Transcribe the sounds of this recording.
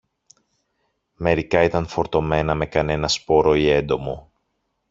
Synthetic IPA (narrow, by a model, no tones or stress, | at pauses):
me̞ɾikɐit̪ɐnfo̞ɾt̪o̞me̞nɐme̞kɐne̞nɐspo̞ɾo̞ie̞nd̪o̞mo